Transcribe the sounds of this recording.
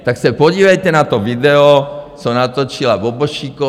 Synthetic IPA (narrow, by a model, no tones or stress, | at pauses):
t̪aksɛpɔɟiːʋɛjt̪ɛnat̪ɔvid̪ɛɔsɔmnat̪ɔt͡ʃilaʋɔbɔʃiːkɔ